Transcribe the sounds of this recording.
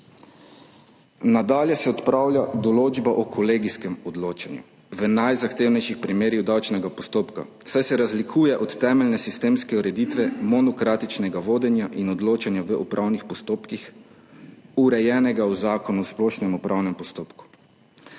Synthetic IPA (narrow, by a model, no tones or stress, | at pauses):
nad̪aːljɛsɛɔt̪pɾawlʲjad̪ɔloːd͡ʒbaʔɔkʰɔleɡiskɛmɔd̪loːt͡ʃanjṵ | ʋənajzaxt̪eːwnɛjʃixpɾimeːɾiwd̪awt͡ʃnɛɡapɔst̪oːpka̰wsajsɛɾazlikʰuːjɛʔɔt̪ːɛːmɛlnɛsist̪eːmskɛuɾɛd̪iːt̪ʋɛmɔnɔkɾaːt̪it͡ʃnɛɡaʋoːd̪ɛnjaʔinɔd̪loːt͡ʃanjaʋəʔupɾʔawnixpɔst̪oːpkix | uɾɛjɛːnɛɡauzaːkɔnusplɔːʃnɛmupɾʔawnɛmpɔst̪oːpku̥